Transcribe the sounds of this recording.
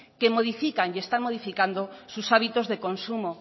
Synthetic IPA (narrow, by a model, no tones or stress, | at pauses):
kemoð̞ifikaŋjest̪aŋmoðifikand̪osusaβit̪ozðekonsumo